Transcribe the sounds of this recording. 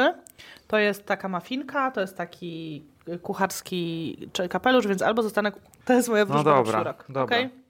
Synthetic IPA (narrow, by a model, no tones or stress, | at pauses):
ɘt̪ɔjɛst̪ːakamafʲinkat̪ɔjɛst̪ːakʲi | kuxaɾskʲit͡ʂɛkapɛluʐvʲjɛnsa̰lbɔzɔst̪anɛk | t̪ɔjɛst̪mɔjɛvɾud̪ɔbɾaɾɔkd̪ɔbkɛj